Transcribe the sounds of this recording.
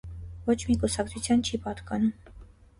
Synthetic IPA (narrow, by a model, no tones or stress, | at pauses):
vɔt͡ʃʰmikusɑk̚t͡sʰut͡sʰjɑnt͡ʃʰipɑt̪kɑnum